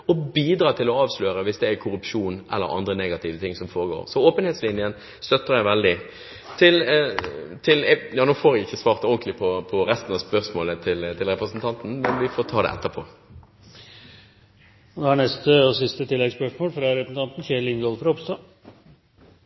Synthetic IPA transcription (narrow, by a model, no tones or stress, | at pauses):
ɔbiːd̪ɾɑːt̪ʰɪlɔɑːʋsløːɾəʋɪsd̪ɛækʰʊɾʉpʂuːnʔɛ̰lːə̰ɾʔɑ̰nd̪ɾəneːɡɑt̪ʰɪʋət̪ʰɪŋːsɔmfoːɾəɡo̰ːɾsɔoːpənheːt̪slɪnjən | st̪œt̪ːəʁjæɪʋɛld̪ɪ | t̪ʰɪl | t̪ʰɪljɑːnoːfoːɾʋɪɪçːəsʋɑːʁt̪oːɡən̩k̪lɪpʰɔpʰɔɾɛst̪n̩ɑspœʁsmoːlət̪ʰɪlt̪ʰɪlɾɛpʁəsn̩t̪ʰɑnt̪n̩mɛnʋɪfoːʁt̪ʰɑːd̪ɛ̰ʔɛ̰t̪ːəpʰoː | noːhæɳɛst̪əɔsɪst̪ət̪ʰɪlːɛɡspœʂmoːlfɾɑɾɛpɾəsn̩t̪ɑnt̪n̩çeːlɪnɡɔlfɾɑɔpst̪oː